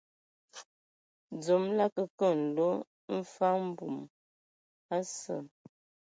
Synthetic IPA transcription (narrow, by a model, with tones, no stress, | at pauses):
d͡zo˨˦mla˦kə˨kə˦˨n̩˨lo˦ | m̩˦fa˦m̩˦bu˨m | a˦sə̰˨